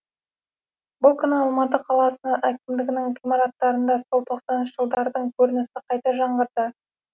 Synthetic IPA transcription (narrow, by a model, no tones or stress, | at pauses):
bʊlˠkʲʰʏnɪɑlˠmɑt̪əqʰɑlˠɑsənɑʔækʲɪmd̪ɪɡʲɪnɪŋʁimɑɾat̪ːɑɾənd̪ɑso̞lˠt̪ʰo̞qsɑnʃəʒ̥əlˠd̪ɑɾd̪əɴkʲʰɵɾɪnɪsɪqʰɑjt̪ɑʒɑɴʁəɾd̪ə